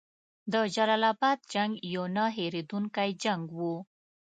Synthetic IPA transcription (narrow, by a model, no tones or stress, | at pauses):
d̪əd͡ʒalalɑbɑd̪̚d͡ʒaŋɡjonɑɦeɾed̪uŋkajd͡ʒaŋɡwu